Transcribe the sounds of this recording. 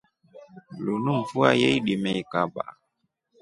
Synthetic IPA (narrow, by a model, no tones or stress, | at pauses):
lunum̩fuajɛiɗimɛikaba̰